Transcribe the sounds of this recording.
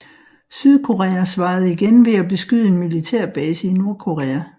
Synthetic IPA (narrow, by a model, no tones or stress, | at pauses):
syð̞ˠkʰo̝ʁɛæsʋɑ̈ːð̞̩ˠiɡ̥enʋe̝æb̥e̝sɡ̥yð̰ˠəe̝nmilit͡sʰæɐ̰b̥ɛːsəino̝ɐkʰo̝ʁɛːæ